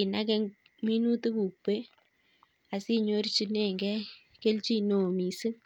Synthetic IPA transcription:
ɪ˨na˦kɛ˦ŋ | mi˦nu˦te˦bu˨pe˦ | a˨si˦ɲo˦ɾt͡ʃi˦nɛ˦˨ŋɡɛ˦ | ke˦lt͡ʃi˦no˨mi˨sɨ˦

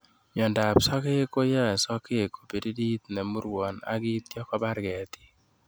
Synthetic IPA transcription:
mjɔ˨nda˨psɔ˦ke˦ko˦jɛ˦˨sɔ˦ke˦ko̥˨pi˨di˦di˦t̪nɛ˨mu˦ɾwɔ˨na̰˦ki˦t̪jɔ˦kɔ˦ba˦ɾɡɛ˨ti̥˦

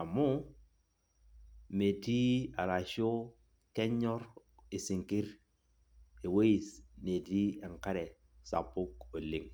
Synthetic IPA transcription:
a˨mo˦ | me˨ti˦a̰˨ɾa˨ʃo˦ | kɛ˦ɲɔ˦ri˨si˨ŋki˦ɾ | e˨we˦ji˨sne˨ti˦ɛ˨ŋka˦ɾɛ˨ | sa̰˨pʊ˦ko˨li˦ŋ

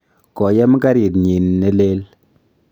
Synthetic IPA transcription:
kɔ˨jɛ˦m˦ka˦ɾi˨tɲi˨nːe˦le˦l

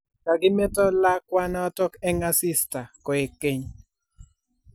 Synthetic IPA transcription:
ka˨ɡɪ˦me˦tɔ˦la˦kwa˦na˦tɔ˦kɛ˦ŋa˦sɪ˦sta˨kɔ˨e˨ke˨˦ɲ

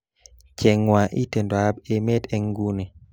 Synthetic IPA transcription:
t͡ʃɛ˨ŋwa˨ʔḭ˦te˨ndo˨a˦be˦me˦te˦ŋɡu˦ni˨

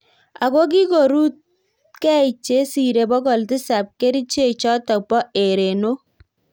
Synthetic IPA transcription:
a̰˨ko˦k̬i˦ko˨ɾu˦t̚ | kɛ˦i˨t͡ʃe˦si˨ɾe˨bɔ˦kɔ˨ltɪ˦sa˨p̚ke˦ɾi˦t͡ʃe˦t͡ʃɔ˦tɔ˨pɔ˦ʔe˨ɾe˨no˦

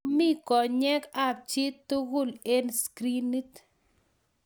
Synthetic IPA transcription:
mi˦kɔ˨ɲɛ˦ka˦p̚t͡ʃɪ˦t̪ːu˦ɣʊ˦le˦nskɾi˦ni˦t̪

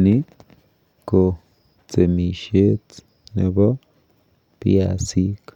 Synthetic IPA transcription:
ni˦ | ko˨ | t͡se˨mi˨ʃe˦t͡s | ne˨ba˦ | pja˧˨si˦k

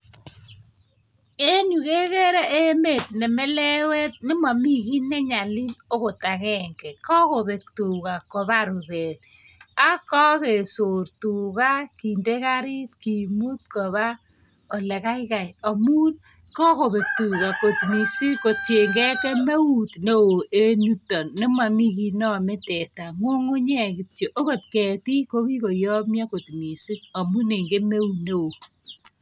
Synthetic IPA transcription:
e˦nu˨ke˦ɣɛ˦ɾa˦ʔe˦me˦˨t̚nɛ˨mɛ˦lɛ˦wɛ˦t̚nɪ˦ma˨mi˦ki˦nːɛ˦ɲa˨li˦no˦ko˨ta˨kɛ˦ŋkɛ˨kɔ˦ko˨be˨k̚tu˨ka˨ko˨βa˦ɾo˨βɛ˨t̚ | a˦kɔ˦ke˨so˨rtu˨ɣa˦ki˨nde˦ka˦ɾi˦t̚ki˨mu˦t̪̚kɔ˨βa˦ | o˨lɛ˨ka˦ɪka˨ja˨mu˦n | kɔ˦ko˨be˨tu˨ka˨ko˨tmi˨si˦ko˨tje˨ŋɡɛ˦ke˦me˦u˨tne˦o˨ʔe˦nu˦tːɔ˨nːɪ˦ma˨mi˦ki˨nɔ˦˨me˦tɛ˨ta˨ŋo˦ŋo˦ɲɛ˦kɪ˨tjo˨ʔo˦ko˨tkɛ˨ti˦ko˦ki˦ko˨jɔ˦mja˦ko˨tmi˨si˦t̚a˨mu˦ne˨ŋɡe˦me˦u˨tne˦o˨

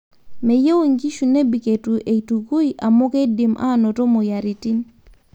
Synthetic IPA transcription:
me˨je˦wo˦˨ŋɡi˦ʃu˨ne˦bi˨ke˨tu˨ʔe˨i˨tu˨ku˦i˦ʔa˨mo˦ke˦di˨mʔa̰˦˨no˨to˦mo˨ja˨ɾi˨ti˦n

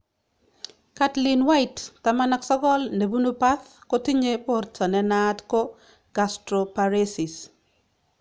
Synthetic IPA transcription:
katlɪ˨nwa˦ɪtːa˨ma˦na˨ksɔ˦ɡɔ˦lne˨bu˦nu˦pa˦θko˦ti˦ɲe˦po˦rta˨nɛ˦na˦tkɔ˦ | ɡ̥a˨stɾo˨paɾe˦sɪ˨s

